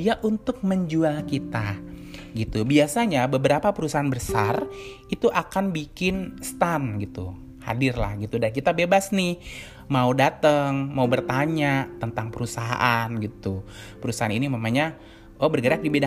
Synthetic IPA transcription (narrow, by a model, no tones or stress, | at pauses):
iaʔunt̪ʊk̚məɲd͡ʒualkit̪aɡit̪ubiasaɲabəbəɾapapəɾusaɦanbəsar | it̪uʔakanbikɪnst̪amɡit̪u | ha̰dɪrla̰hɡit̪udankit̪abebasnɪh | maudat̪əŋmaubərt̪aɲat̪ənt̪aŋpəɾusaɦa̰ʔanɡit̪u | pəɾusaaninimamaɲa | ʔobərɡəɾak̚dibeda